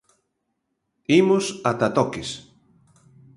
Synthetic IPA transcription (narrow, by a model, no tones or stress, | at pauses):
imʊsat̪at̪ɔkes